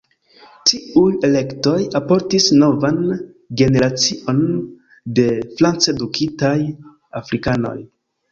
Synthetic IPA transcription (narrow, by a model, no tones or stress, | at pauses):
tiuje̞le̞kto̞japo̞ɾtisno̞vanɡe̞ne̞ɾat͡siʔo̞n | de̞flant͡se̞dukʰitaj | afɾikano̞̰j